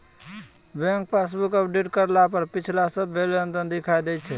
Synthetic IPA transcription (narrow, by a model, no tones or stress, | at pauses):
bɛ̃ŋk̚pʰes̬bukəpʰɖeʈkəɾlapəɾpit͡ʃʰlasəbːeleənd̪ənd̪ikʰajd̪ɛjt͡ʃʰɛ